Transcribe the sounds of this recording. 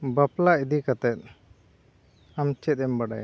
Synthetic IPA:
baplaid̪ikat̪ɛt̪̚ | amt͡ʃɛt̪̚ɛmbaɖa̰ja̰

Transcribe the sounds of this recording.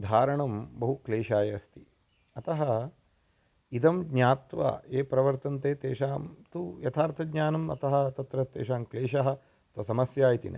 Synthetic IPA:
d̪ʱaːɾɐɳɐmbɐɦukleːʃaːjɐɐst̪i | ɐt̪ɐɦɐ | id̪ɐmɡɲaːt̪ʋa̰ːeːpɾɐʋɐɾt̪ɐnt̪eːt̪eːʃaːmt̪ujɐt̪ʰaːɾt̪ʰɐɡɲaːnɐmɐ̰t̪ɐɦɐ̆t̪ɐt̪ɾɐt̪ːḛːʃaːmkleːʃɐɦɐ̆ | t̪ɐsɐmɐsjaːjit̪ḭnʔɐ̰

